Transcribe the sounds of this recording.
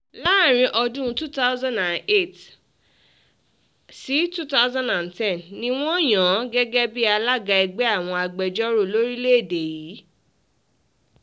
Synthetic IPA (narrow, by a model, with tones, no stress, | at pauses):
la˦˨ɾ̃ĩ˧ʔɔ˧dũ˦˧tu˦ta˦ʊ˦zã˦nã˨ne˦˨t | si˨˦tu˦ta˦ʊzã˦ndã˨ntɛ̃˦˨nːĩ˧w̃ɔ̃˦˨j̃ã˨˦ɡɛ˦ɡɛ˦bi˦a˧la˦ɡa˧i˧ɡ͡bɛ˦a˦˨w̃ɔ̃˧a˧ɡ͡bɛ˧d͡ʒɔ˦ɾo˦˨lo˦ɾi˦le˦e˦˨de˨jiː˨˦